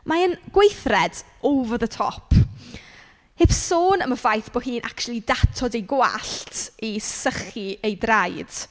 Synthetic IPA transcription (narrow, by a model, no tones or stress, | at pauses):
maənɡ̥wejθrɛd | ovɔðətʰɔ̰pʰ | hɪpsoːnəməvajθb̥oːɦiːnʔa̰kt͡ʃlˠidatʰɔdejɡwa̰ɬtisəχiejdrajd̥